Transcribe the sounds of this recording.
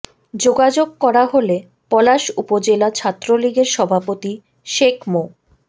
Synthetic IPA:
d͡ʑoɡad͡ʑoɡ̚kɔɾaɦole | pɔlaʃupod͡ʑelat͡ɕʰat̪ːɾoliɡeɾʃɔbʱapot̪i | ʃekʰmo

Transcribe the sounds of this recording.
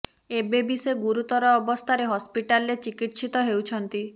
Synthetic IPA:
ebebiseɡuɾut̪ɔɾɔːbɔst̪ʰaɾeɦɔspiʈalːet͡ʃikiʈsit̪ɔɦewt͡ʃʰɔnt̪i

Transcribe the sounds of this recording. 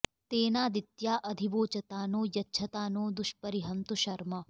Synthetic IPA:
t̪eːnaːd̪it̪jaːʔɐd̪ʱiboːt͡ʃɐt̪aːnoːjɐtːʃʰɐt̪aːnoːd̪uʃpɐɾiɦɐnt̪uʃɐɾmɐ

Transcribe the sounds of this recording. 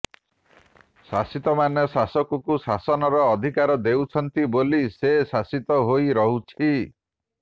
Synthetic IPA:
sasit̪ɔmanjɔsasɔkɔkusasɔnɔɾɔːd̪ʱikaɾɔd̪ewt͡ʃʰɔnt̪ibolisesasit̪ɔɦoiɾɔɦut͡ʃʰi

